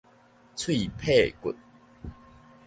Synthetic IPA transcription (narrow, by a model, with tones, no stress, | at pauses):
t͡sʰwi˥˨pʰe˥˨kʊ̰˨˩t̚